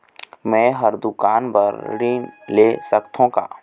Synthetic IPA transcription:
mɛ̃ːɦəɾd̪ʊkaːnbəɾɾiːnleːsəkt̪ʰõka̰ː

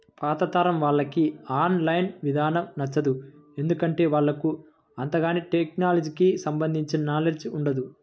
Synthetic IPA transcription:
paːt̪ɐt̪aːɾɐmʋaːɭːɐkiaːnlɐjnʋid̪ʱaːnɐmnɐt͡ʃːɐd̪ue̞nd̪ukɐɳʈe̞ːʋaːɭːɐku | ɐnt̪ɐɡaːniʈek̚naːlɐd͡ʒikisɐmbɐnd̪ʱiɲt͡ʃiɐnaːleːd͡ʒuɳɖɐd̪u

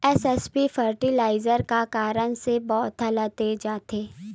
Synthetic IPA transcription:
ɛsɛspifəɾʈilaːɪzəɾkakaːɾəɽ̃sebɔːt̪ɐlət̪ed͡ʒaːt̪eː

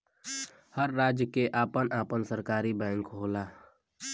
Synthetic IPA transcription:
həɾːaːd͡ʒjəkeʔaːpənʔaːpənsəɾkaːɾibɛ̃ːŋkɦoːlaː

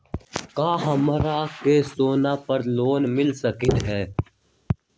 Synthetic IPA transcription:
kaːɦəmɾaːkeːsoːnaːpəɾloːnmɪlsəkɪt̪ɦɛː

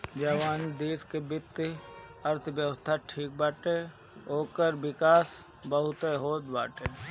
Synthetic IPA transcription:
d͡ʒəʋaːnd̪iːskebɪt̪ː | əɾt̪ʰʋjəwəst̪ʰaʈʰiːk̚baːʈe | ɦoːkəɾbɪkaːs | bəɦʊt̪eɦoːd̪ba̰ːʈeː

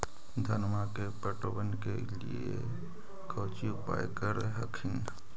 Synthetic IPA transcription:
d̪ʱənmakepəʈobənke | lḭḛ | kʰəːt͡ʃiupa̰jkəɾeɦəkʰin

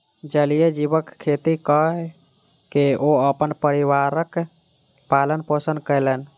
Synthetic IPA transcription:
d͡ʒəlijed͡ʒibəkkʰːet̪ikəɦɛ | keoəpənpəɾiʋaɾək | palənpəsənd̪kəjlɛn

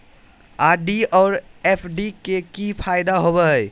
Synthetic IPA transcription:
aɖiɔɾepʰɖikekipʰajd̪aɦobɛɦj

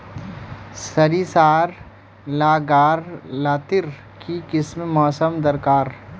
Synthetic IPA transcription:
sɐɾiːsaːɾ | laːɡaːɾlaːt̪ɪɾ | kikɪsmmɔːsəmd̪ɐɾkaːɾ

